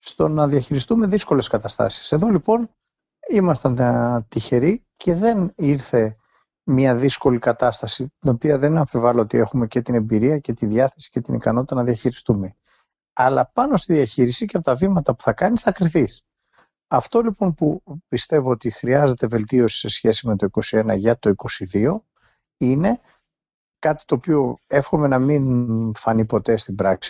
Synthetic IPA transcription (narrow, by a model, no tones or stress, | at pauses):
st̪o̞nɐðiɐçiɾist̪ume̞ðisko̞le̞skɐt̪ɐst̪ɐ̰si̥se̞ðo̞lipo̞n | imɐst̪ɐnt̪içe̞ɾi | ce̞ðe̞niɾθe̞ | mɲɐðisko̞likɐt̪ɐst̪ɐsit̪ino̞piɐðe̞nɐfevɐloot̪ie̞xume̞ce̞t̪ine̞mbiɾiɐce̞t̪iðjɐθe̞si̥ce̞t̪inḭkɐnot̪it̪ɐnɐðiɐçiɾist̪ume̞ | ɐlɐpɐno̞st̪iðiɐçiɾisiceɐpot̪ɐvimɐt̪ɐpu̥θɐkɐnisθɐkɾiθis | ɐft̪o̞lipo̞npupist̪e̞voot̪ixɾiɐze̞t̪e̞ve̞lt̪io̞si̥se̞sçe̞sime̞t̪o̞iko̞sie̞nɐʝɐt̪o̞iko̞siðio̞ | ine̞ | kɐt̪i̥t̪o̞ːpio̞e̞fxo̞me̞nɐminfɐnipo̞t̪e̞st̪ibɾɐksi̥